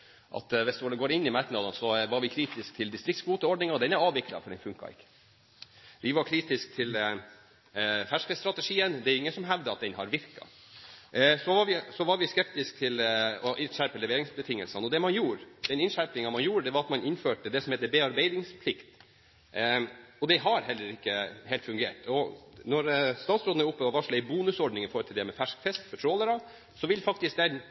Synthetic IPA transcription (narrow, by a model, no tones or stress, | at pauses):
ʔɑ̰t̪ʋɛsd̪ɑləɡoːɾɪnːɪmæɾk̪nɑd̪ɑnsɔʋɑɾʋɪkʰɾiːt̪ɪskt̪ʰɪld̪ɪst̪ɾɪk̚t̪sbuːt̪əɔɖnɪŋɑd̪ɛnæɾɑːʋʋɪklɑ̰fɔɖɛnfʉŋkɑ̰ɪ̰kːə̥ | ʋɪʋɑɾkʰɾiːt̪ɪsk̚t̪ʰɪl | fæʂkəst̪ɾɑt̪ɛʂiːənd̪ɛæɾʊɪŋːənsɔmɦæʋd̪əɑt̪̚d̪ɛnhɑɾʋɪɾkɑ̰ | sɔʋɑʋɪsɔʋɑɾʋɪskɛp̚t̪ɪsk̚t̪ʰɪlɔʔɪnʃæɾpəlɛʋeːɾɪŋsbət̪ʰɪŋːə̰lsənɔd̪ɛmɑnjuːɾɛnɪnʂæɾpɪŋɑʋmɑnjuːɾəd̪ɛʋɑɾɑt̪mɑnɪnføːʈəd̪ɛsɔmhɛːt̪ːəbeːɑɾbæɪd̪ɪŋspʰlɪkt̪ | ɔd̪ɛɦɑɾhɛlːəɾɪkːəheːlt̪fʉŋɡḛːʈɔnɔɾst̪ɑːt̪sɾoːd̪nəɾʊpːəɔʋɑʂɭɛɪbuːnʉsɔɖnɪŋɪfoːɾət̪ʰɪld̪ɛmɛfæʂkfɛst̪fɔʈʰɾoːləɾɑ | sɔʋɪlfɑk̚t̪ɪsk̚d̪ɛn